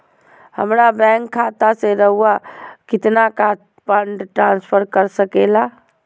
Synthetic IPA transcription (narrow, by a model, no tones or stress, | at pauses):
hə̰mɾabɛ̃ːŋkʰːaːt̪aseɾəɦuakɪt̪naka | pə̃ɳɖʈɾãːnspʰəɾkəɾsəkeːla